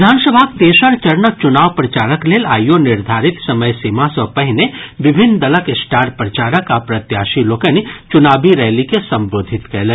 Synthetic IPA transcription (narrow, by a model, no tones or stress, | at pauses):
ɪd̪ʱaːnsəbʱakt̪eːʃəɾt͡ʃɐɾnət͡ʃʊnaːʋpɾɐt͡ʃaːɾəkleːlaːjonɪɾd̪ʱaːɾɪt̪sɐməjsiːmasɔpɐɦɪneʋɪbʱɪnːd̪ɐləkesʈaːɾpɾɐt͡ʃaːɾəkapɾɐt̪jaːʃiloːkənit͡ʃʊnaːbʱiɾɛːlikesɐ̃mboːd̪ʱɪt̪kɛːle